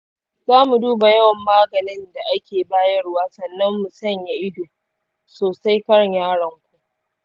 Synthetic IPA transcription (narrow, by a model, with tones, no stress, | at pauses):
zaː˦mu˨duː˦ba˨jɐ˦wɐ˨mːaː˦ɡɐ˨nɪ˦nda˨ʔa˦kʲeː˨baː˦jɐ˦ɽwaː˦sɐ˨nːɐ˦mːu˨sɐ˦ɲja˦ʔɪ˦duː˨ | soː˨sa˦jkɐ˦ɽɲaː˦ɽɐ˨ŋkʷu˨ʔʔ